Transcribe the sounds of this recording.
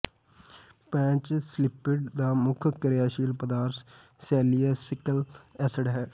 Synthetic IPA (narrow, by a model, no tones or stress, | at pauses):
pɛ̃ːt͡ʃslɪpɪɖd̪aːmʊkʰkəɾɪjaːʃiːlpəd̪aːɾs | sɛːlijaːsɪkəlɛːsəɖɦɛː